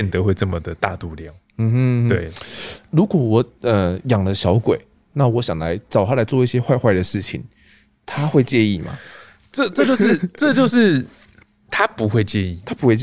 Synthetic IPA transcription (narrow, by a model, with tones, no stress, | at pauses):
ɛ˨nt̪ɤ˨˦xwe˥˧ɪʈ͡ʂɤ˥˩mə˨d̪ə˩t̪a˥˧t̪u˥˧ljɑ˥˨˩ʊ | m̩˧˥˧t̪we˥˩ɪlu˨˥kwɔ˨˩wɔ˨˦ə˨˩jɑ˨˩ŋlə˨˦ɕjɑ˧˥ʊkwe˨˩˦ɪ | na˥˨wɔ˨˦ɕjɑ˨˩ŋla˧˦ɪʈ͡ʂɑ˨˩ʊt̪ʰa˦˥la˨˥ɪt͡swɔ˥˧i˥˩ɕjɛ˦xwa˥˧ɪxwa˥˩ɪd̪ə˩ʂɻ̩˥˩t͡ɕʰḭ˨˩ŋ | t̪ʰa˦xwe˥˧ɪt͡ɕjɛ˥˧ni˥˩ma̰˨˩ | ʈ͡ʂɤ˥˧ʈ͡ʂɤ˥˧t͡ɕjʊɻ̩˥˨ʈ͡ʂɤ˥˧t͡ɕjo˥˧ʊʂɻ̩˥˨ | t̪ʰa˦pu˨˦xwe˥˧ɪt͡ɕjɛ˥˧ni˥˩t̪ʰa˦˥pu˧˥xwe˥˧ɪt͡ɕ